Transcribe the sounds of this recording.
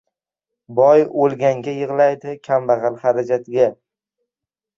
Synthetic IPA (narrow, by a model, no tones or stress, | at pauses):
bɒjolˠɡʲaŋɡʲajɨʁlˠajd̪ɪkʲʰambaʁɑlχaɾad͡ʒat̪ʰɪɡʲa